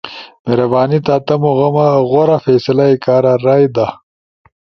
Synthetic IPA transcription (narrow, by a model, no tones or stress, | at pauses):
meɾɐbaːnit̪aːt̪ɐmoɣɐmɐɣoɾafeːsɐlaikaːɾaɾaːjd̪a